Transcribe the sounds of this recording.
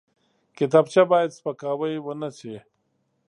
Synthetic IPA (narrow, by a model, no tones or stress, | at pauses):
kit̪aːbt͡ɕabaːjɐd̪spɐkaːwɐjwɐnat͡ɕʰe